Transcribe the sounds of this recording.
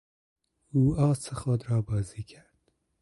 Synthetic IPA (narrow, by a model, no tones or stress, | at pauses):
uɑːt͡saχoːd̪ɾɑːbɑːzikʰaɾd̪̥